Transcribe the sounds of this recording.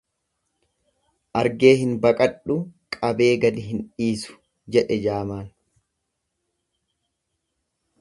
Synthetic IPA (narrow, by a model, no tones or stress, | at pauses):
ʔɐɾɡe̞ːɦɪnbɐkʼɐᶑʊkʼɐbe̞ːɡɐd̪ɪɦɪnᶑiːsʊ̥ | d͡ʒɛᶑɛd͡ʒaːmaːn